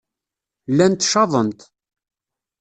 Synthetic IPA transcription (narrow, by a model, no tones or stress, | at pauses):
lːænt̪ːʃɑðˤənt̪